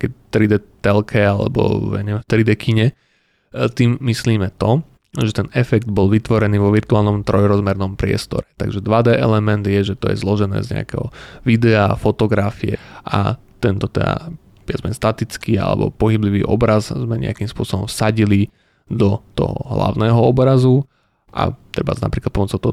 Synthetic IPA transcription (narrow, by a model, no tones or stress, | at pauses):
kɛt̪ɾid̪ɛt̪ɛlkʰɛalɛ̰bɔ̰ɛ̰ɲɛɛft̪ɾid̪ɛkʰiɲɛ | t̪iːmːisliːmɛt̪ɔ | ʒɛt̪ɛnɛfɛɡd̪bɔlʋit̪ʋɔɾɛniːʋɔʋirt̪uaːlnɔmt̪ɾɔjɾɔzmɛɾnɔmpɾɪɛ̰st̪ɔ̰ɾɛt̪aɡʒɛd̪ʋad̪ɛʔɛlɛmɛnd̪jɛʒɛt̪ɔjɛ̰zlɔʒɛnɛ̰ːzɲɛ̰a̰kɛɦɔ̰ʋid̪ɛafɔt̪ɔɡɾafiɛ̰ʔa̰ | t̪ɛnt̪ɔt̪ɛ̰d̪a̰ | bɪjad͡zmɛɲst̪at̪it͡skiːa̰lɛ̰bɔ̰pɔɦibliʋḭːʔɔbɾazzmɛɲɛ̰akimspʊɔsɔbɔmfsaɟili | d̪ɔt̪ɔ̰ɦɔ̰ɦla̰ʊnɛːɦɔɔbɾazu | ʔa̰t̪ɾɛbana̰pɾiklat̪̚pɔmɔt͡sɔt̪ɔ